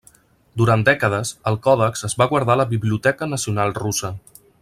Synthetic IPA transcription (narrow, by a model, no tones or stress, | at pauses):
d̪uɾand̪ɛkəðəzəlˠkɔðəkzəzβaɣwaɾð̞aləβiβliut̪ɛkənəsiunalˠrusə